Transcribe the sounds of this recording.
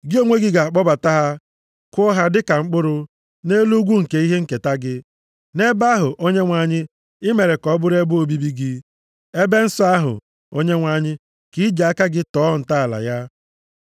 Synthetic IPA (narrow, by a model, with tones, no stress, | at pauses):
ɡɪ˦o˦ŋʷe˦ɡi˦ɡa˨k͡pɔ˦ba˨ta˦ɦa˦ | kʊ˦ɦa˦dɪ˦ka˨ŋ͡m̩˦k͡pʊ˦ɾʊ˦ | ne˦lu˦ɡʷu˦ŋ̩˨ke˨i˦ɦe˦ŋ̩˨ke˨ta˦ɡɪ˦ | ne˦ba˦ɦʊ˨ʔo˦ɲe˦ŋʷa˨ɲɪ˦ | ɪ˦me˨ɾe˨kɔ˦bʊ˦ɾe˦bʊ˦o˨˦bi˦bi˦ɡɪ˦ | e˦be˦n̩˦sɔ˦a˦ɦʊ̰˨ | o˦ɲe˦ŋʷa˨ɲɪ˦ | ki˨˦d͡ʒa˨a˦ka˦ɡɪ˦tɔː˦˨n̩˨ta˦a˨la̰˨ja˦